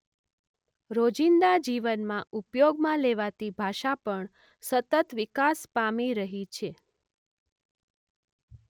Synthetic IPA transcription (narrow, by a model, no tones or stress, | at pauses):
ɾod͡ʒind̪ad͡ʒiʋənmãupjoɡmãleʋat̪ibʱaʃapəɳ | sət̪ət̪ʋɪkaspamiɾəɦit͡ʃʰe